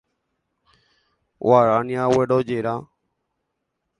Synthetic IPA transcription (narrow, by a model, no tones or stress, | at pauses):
waːɾaːnijaːweɖoːd͡ʒeːɾaː